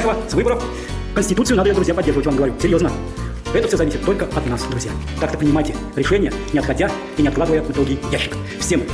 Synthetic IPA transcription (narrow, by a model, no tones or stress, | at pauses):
sʲəvəsvɨbəɾəf | kənʲsʲtʲɪt̪ut̪sɨjnad̪əjd̪ɾʊzʲjapɐdʲerʐəvətʲvamɡəvɐɾʲusʲɪɾʲjo̞znə | ɛt̪əfsʲozɐvisʲɪt̪ːo̞lʲkəɐt̪nasd̪ɾʊzʲja | k̪akt̪əpɾʲɪnʲɪmajtʲɪ | ɾʲɪʂɛnʲɪjənʲɪɐt̪xɐdʲa | inʲɪɐd̪ɡlˠad̪əvəjəmɨt̪oɡʲɪjaɕːɪ̥kə̥ | fsʲem